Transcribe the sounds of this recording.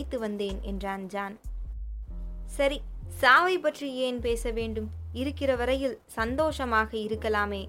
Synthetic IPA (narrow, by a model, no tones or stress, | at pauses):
ɪt̪ːɯʋɐnd̪eːnɛ̰ndraːnd͡ʒaːn | sɐɾisaːʋɐɪpːɐʈrijeːnpeːsɐʋeːɳɖɯmɪɾɯkːɪrɐʋɐɾɐjɪlsɐnd̪oːʂɐmaːɣɐɪɾɯkːɐlaːmeː